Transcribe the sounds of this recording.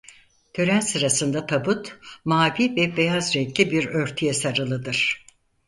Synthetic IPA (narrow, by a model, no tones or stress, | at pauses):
t̪ʰø̞ɾænsɯɾasɯnd̪at̪ʰabut̪maːviːvɛbe̞jazɾɛklʲibiɾø̞ɾt̪ʰyjɛsaɾɯlˠɯd̪ɯɾ̥